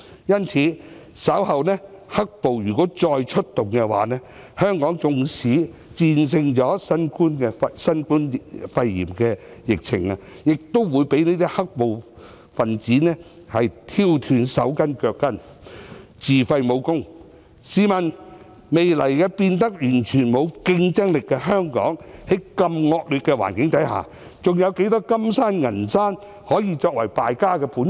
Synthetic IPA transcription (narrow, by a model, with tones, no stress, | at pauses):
jɐ˥nt͡sʰiː˨˥ | sɐ˨˥whɐ˨wnɛː˥ | hɐ˥k̚po˨wjyː˨˩kɔː˨˥t͡sɔː˧jt͡ʃʰɵ˥t̚t̪ʊ˨ŋkɛ˧wa̰ː˨˥nɛː˥ | hœː˥ŋkɔː˨˥ŋt͡sʊ˧ŋsiː˨˥ | t͡siː˧ns̬ɪ˧ŋt͡sɔː˨˥sɐ˥nkuː˥nkɛː˧sɐ˥nkuː˥nfɐ˧jːḭː˨˩mkɛː˧jɪ˨k̚t͡sʰɪ̰˨˩ŋa˧jɪ˨k̚t̪o˥wwuː˨˧jpe˨˥jneː˥t̪i˥hɐ˥k̚po˨w | fɐ˨nt͡siː˨˥nɛː˥ | hɐ˨jt̪ʰiː˧wt̪ʰyː˨˧nsɐ˨˥wkɐ˥nkœː˧kːɐ˥n | t͡siː˨˩fɐ˧jmo˨˧wkʊ˥ŋ | siː˨˧mɐ˨n | me˨jlɐ˨˩jkɛː˧piː˧nt̪ɐ˥k̚jyː˨˩nt͡ʃʰyː˨˩nmo˨˧wkɪ˧ŋt͡sɐ˥ŋlɪ˨kːɛː˧ɦœː˥ŋkɔ̰ː˨˥ŋhe˨˥jkɐ˧mŋɔː˧k̚lyː˨t̚kːɛː˧wa̰ː˨˩nkɪ˨˥ŋt̪ɐ˨˥jɦa̰ː˨˩ | t͡sʊ˨ŋjɐ˨˧wke˨˥jt̪ɔː˥kɐ˥msaː˥nŋɐ˨˩nsaː˥n | hɔː˨˥jiː˧t͡ʃɔː˧k̚wɐ˨˩jpaː˨jkaː˥kɛː˧puː˨˥n